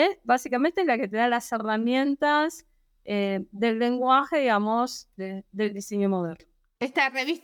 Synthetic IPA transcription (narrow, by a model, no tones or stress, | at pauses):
esbasikamẽnt̪elake̞t̪eðalase̞ramje̞nt̪az | eðe̞lːe̞ŋɡwaxeðiɣamozðeðe̞ld̪ise̞ɲomoðeɾno | est̪areβis